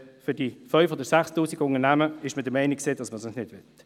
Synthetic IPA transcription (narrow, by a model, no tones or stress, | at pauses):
fʏd̥ifœʏfoːdəɾsæχstuːsiɡəʊŋəɾnæməɪʃmədəmɛɪniksɪːdɑsməsɔnsnɪdvɪt